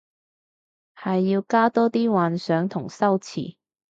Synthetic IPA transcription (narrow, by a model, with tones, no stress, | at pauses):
hɐ˨jːiː˧wkaː˥t̪ɔː˥t̪iː˥waː˨nsœː˨˥ŋt̪ʰʊ˨˩ŋsɐ˥wt͡sʰḭː˨˩